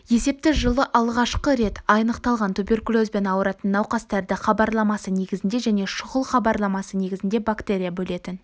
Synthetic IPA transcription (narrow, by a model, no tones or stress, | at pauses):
je̞se̞p̚t̪ɪʒəlˠəʔɑlˠʁɑʃqəɾe̞t̪ɑjnəqt̪ɑlˠʁɑnt̪ʰubʲe̞rkulʲˠo̞zbe̞nɑwəɾɑt̪ənːɑwqɑst̪æɾd̪ɪχɑbɑɾlˠɑmɑsəne̞ɡʲɪzɪnd̪e̞ʒæne̞ʃʊʁəlˠχɑbɑɾlˠɑmɑsəne̞ɡʲɪzɪnd̪e̞bakt̪e̞ɾʲijabɵle̞t̪ɪn